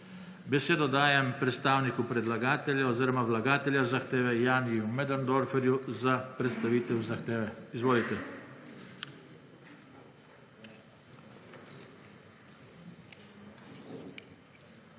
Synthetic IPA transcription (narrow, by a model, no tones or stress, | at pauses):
bɛseːd̪ɔd̪aːjɛmpɾɛt̪st̪aːwnikupɾɛd̪laɡaːt̪ɛljaɔziːɾɔmaʋlaɡaːt̪ɛljazaxt̪eːʋɛjaːniumɛd̪and̪ɔɾfɛɾjuzapɾɛt̪st̪aʋiːt̪ɛwzaxt̪eːʋɛizʋoːlit̪ɛ